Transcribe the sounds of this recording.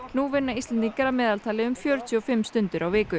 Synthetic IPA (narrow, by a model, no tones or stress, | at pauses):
nuvɪnːaist̪ɛnt̪iŋkaɾamɛːðalt̪ʰaːlɪʏmfjœːɾʏt̪ʰiɔfɪmːst̪ʏnt̪ɪɾʔawvɪːkʏ